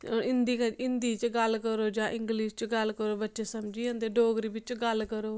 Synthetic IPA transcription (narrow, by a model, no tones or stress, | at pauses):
ɪnd̪iːkəɪnd̪iːt͡ʃɡəlkəɾoːd͡ʒãːʔɪ̃ŋɡliːst͡ʃɡəlkəɾoːbətːʃeːsəmd͡ʒiːə̃ːnd̪eːɖoːɡɾiːbɪt͡ʃɡəlkəɾoː